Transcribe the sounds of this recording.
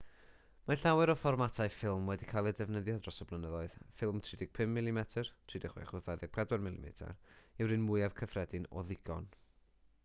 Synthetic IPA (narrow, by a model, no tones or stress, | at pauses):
maɬawɨɾɔfɔrmatʰaɨfɪlˠmwɛdikʰalˠɛdɛvnəðjadrɔsɔblˠənəðɔɨð̥fɪlˠmtʰr̥ɪdɪɡ̥̚pʰɪmːɪlˠimɛtʰərtʰr̥ɪdɪχwɛ̰χʊθaðɛɡ̚pʰrɛdwɔnmɪlˠḭmɛ̰tʰa̰rɪwɾɨnmʊɨav̥kʰəfrɛdɪnɔ̰ðɪɡ̥ɔ̰n